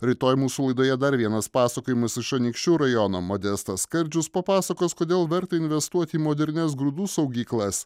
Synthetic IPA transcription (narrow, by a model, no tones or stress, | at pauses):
ɾʲɪt̪oːjmuːsuːlˠɐɪd̪oːjɛd̪ɐɾʋʲiɛnɐspɑːsɐkoːjɪmɐsɪʃɐnʲikʃʲt͡ʃʲuːɾɐjɔnoːmod̪ʲɛst̪ɐsskɐɾʲd͡ʒʲʊspɐpɑːsɐkoːskoːd̪ʲeːlˠʋʲɛɾt̪ɐɪnʲʋʲɛst̪uɔt̪ʲɪːmoːd̪ʲɛɾʲnʲɛs̬ɡɾʊd̪uːsɐʊɡʲiːklˠɐs